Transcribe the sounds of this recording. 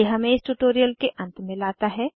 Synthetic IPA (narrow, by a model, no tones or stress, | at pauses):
eɦɐmẽɪsʈuʈoːɾijəlkeʔɐ̃nt̪mɪ̃laːt̪aɦɛː